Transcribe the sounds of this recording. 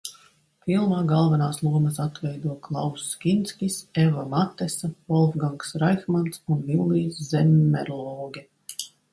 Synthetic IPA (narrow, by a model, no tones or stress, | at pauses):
fʲilˠmaːɡalˠvɛnaːslˠuɔmɐsat̪vɛjd̪uɔklˠawsːkʲint̪sʲkʲisevamat̪ɛsavɔlˠfɡaŋksɾajxmant̪sunvilˠːiːsːɛmːɛ̰ɾlˠɔːɡʲɛ